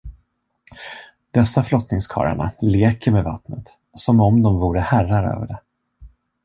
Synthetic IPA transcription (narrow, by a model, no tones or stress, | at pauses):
d̪̥ɛsːaflɔt̪nɪŋskʰɑ̰ːɾa̰ɳa̰leːkəɾmeva̰t̪nət̪ | sɔmɔmd̪ɔmvuːɾəhærːaɾø̰ːvəɖɛ